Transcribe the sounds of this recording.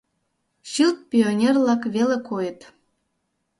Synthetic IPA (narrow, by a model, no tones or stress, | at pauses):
ɕilt̪̚pʲionʲerlɑkβelekojə̆t̪